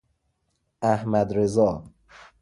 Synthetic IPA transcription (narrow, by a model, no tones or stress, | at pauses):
æhmæd̪ɾezɒː